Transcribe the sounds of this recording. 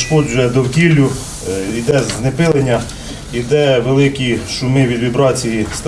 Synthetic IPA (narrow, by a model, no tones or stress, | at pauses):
ʃkɔd͡ʒʊjɛd̪ɔwkʲilʲːʊ | id̪ɛnepɪlˠenʲːɐ | id̪ɛʋelˠɪkʲiʃʊmɪʋʲid̪ʋʲibɾɑt͡sʲijist̪